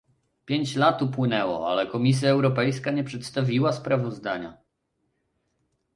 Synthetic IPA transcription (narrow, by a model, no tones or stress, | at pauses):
pʲjeɲt͡ɕlat̪upwɘnɛwɔ̰a̰lɛkɔmʲis̬ʲjaɛwɾɔpɛjskaɲɛpʂɛt̪st̪avʲiwaspɾavɔzd̪aɲa̰